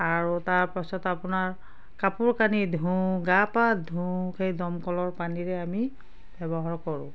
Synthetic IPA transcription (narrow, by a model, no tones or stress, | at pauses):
aɹutaɹpasɔtapʊnaɹ | kapuɹkanidʱũɡapadʱũxejdɔmkɔlɔɹpaniɹɛami | b̥ɛbɔɦaɹkɔɹʊ̰̃